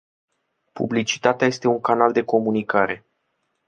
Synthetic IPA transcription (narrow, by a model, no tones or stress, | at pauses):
pṵblit͡ʃi̥t̪at̪eaje̞st̪e̞uŋkanald̪e̞ko̞munikaɾe̞